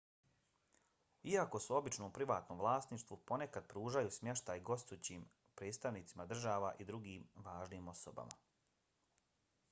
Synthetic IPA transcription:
iako̞suo̞bit͡ʃnoːmpɾiʋaːt̪noːmʋlˠaːst̪niʃt̪ʋupo̞ne̞kad̪̥̚pɾuːʒajusmʲje̞ʃt̪ajɡo̞st̪ut͡ɕiːm | pɾe̞ːt̪st̪aʋniːt̪simad̪r̩ʒaːʋaʔid̪ɾuɡiːmʋaːʒniːmo̞soba̰ma̰

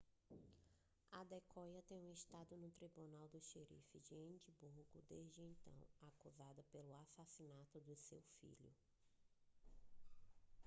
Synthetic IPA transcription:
ad̪ekʰɔjɐt̪ẽj̃ũɪʃt̪ad̪ʊnʊt̪ɾibunawd̪ʊʃeɾḭfɪd͡ʒɪẽd͡ʒibuɾɡʊd̪ezd͡ʒɪẽnt̪ɐ̰̃w̃akuzad̪ɐpelʊasasinat̪ʊd̪ʊsewfḭʎʊ

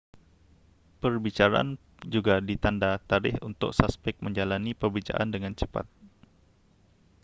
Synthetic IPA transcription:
pərbit͡ʃaɾaʔa̰n | d͡ʒuɡadit̪andat̪aɾɪhunt̪ʊ̰k̚saspɛk̚məɲd͡ʒalanipərbit͡ʃa̰ʔandəŋant͡ʃəpa̰t̪̚

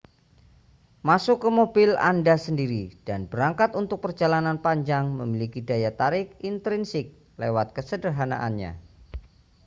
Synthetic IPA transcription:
masʊkːəmobɪla̰ndasəndiɾid̥anb̥əɾaŋkat̪unt̪ʊk̚pərd͡ʒalananpaɲd͡ʒaŋməmilikidajat̪aɾɪkint̪ɾɪnsɪk̚ | lewat̪̚kəsədərɦana̰ʔanɲa̰

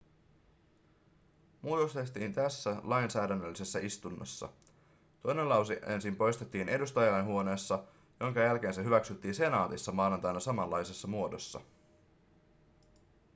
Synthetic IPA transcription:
muːt̪o̞st̪et̪iːnt̪æsːælɑjnsæːdænːølːise̞sːæist̪unːɑ̰sːɑ̰ | t̪o̞jne̞nlɑwsie̞̰nsimpo̞jst̪e̞t̪ːiːne̞dust̪ɑjɑlɑjnɦuo̞ne̞ːsːɑ | jo̞ŋkɑjælk̟e̞ːnseɦyʋæksyt̪ːiːnse̞nɑːt̪isːɑmɑːnɑnt̪ɑjnɑsɑmɑlːɑjse̞sːɑmuo̞do̞sːɑ̰

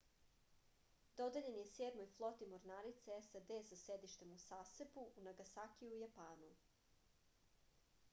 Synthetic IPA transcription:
d̪o̞d̪eʎenjeseːd̪mojflˠot̪imoɾnaːɾit̪seesad̪eːsased̪iʃt̪e̞musaːsebuunaɡasakiujapaːnu

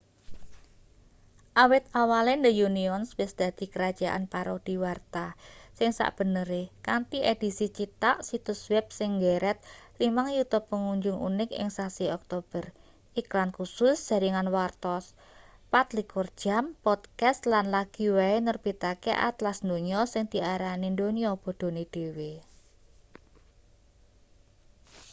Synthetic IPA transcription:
ʔawɪt̪̚awalend̪əjuniɔnswɪsd̪̥a̤d̪̥i̤kəɾad̥ʒ̥a̤ʔa̰npaɾɔd̪̥i̤wart̪asɪŋsa̰ʔb̥ə̤nəɾekant̪iʔed̪̥i̤sit͡ʃit̪aʔsit̪ʊswɛb̚sɪŋɡeɾɛt̪̚limaŋjut̪ub̚pːəŋuɲd͡ʒʊŋʔṵnɪkɪ̰ŋsasiɔk̚t̪ob̥ər | ʔiklankusʊsd̥a̤ɾiŋanwart̪ɔs | pat̪likɔrd̥ʒ̥ampɔd̪̥kast̪lanlaɡ̥i̤waenərb̥it̪akḛʔa̰t̪lasnd̪oɲɔsɪŋd̪̥i̤aɾanind̪oniɔb̥o̤d̪̥o̤ned̪̥e̤we

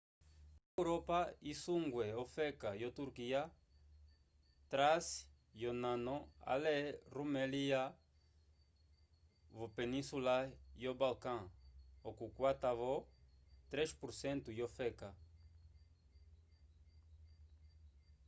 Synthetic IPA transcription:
ewɾopaisuŋɡweofekajot̪uɾkia | t̪ɾas | jonãnoa̰lerumelia | vopenĩsulajobalkãokukwat̪avo | t̪ɾeʃpuɾsẽnt̪ujofeka

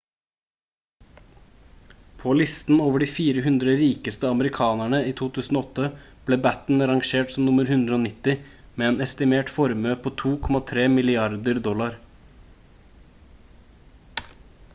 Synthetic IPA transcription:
pʰoːlɪst̪n̩oːʋəɖiːfiːɾəɦʉnd̪ɾəɾiːkəst̪əɑməɾɪkʰɑːnæɳəiːt̪ʰuːt̪ʰʉːsn̩oːɔt̪əb̥leːbæt̪n̩ɾɑŋʃeːʈsɔmnʊməɾhʉnd̪ɾəoːnɪt̪ɪmeːeːnɛst̪ɪmeːʈfɔɾmøːpʰoːt̪ʰuːkʰɔmɑt̪ʰɾeːmɪlɪɑɾd̪əɾd̪ɔlɑɾ

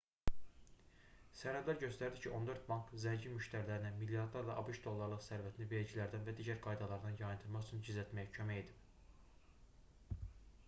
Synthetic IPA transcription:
sæɾhæd̪læɾɟø̞st̪æɾd̪icʰiʔo̞nd̪ø̞ɾt̪̚bɑŋkzæɲɟinmyʃt̪æɾlæɾinæmilːjɑɾd̪lˠɑɾlˠɑʔɑbɯʃd̪o̞lˠːɑɾlˠɯqsæɾvæt̪ʰinive̞ɾid͡ʒilæɾd̪ænvæd̪iːɟæɾɡɑjd̪ɑlˠɑɾd̪ɑnjɑjɯnd̪ʰɯlˠmɑχyt͡ʃʰynd͡ʒizlæt̪mæjæcʰømæed̪i

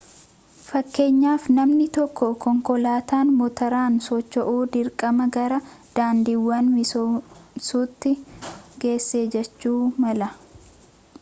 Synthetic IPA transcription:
fɐkːe̞ːɲːaːfnɐmnɪt̪ɔkːɔkɔŋkɔlaːt̪aːnmɔt̪ɐɾaːnsɔt͡ʃːɔʔuːd̪ɪɾkʼɐmɐɡɐɾɐ | d̪̥aːnd̪iːwːɐnmɪ | suːt̪ːɪɡe̞ːsːeːd͡ʒɛt͡ʃːuːmɐlɐ

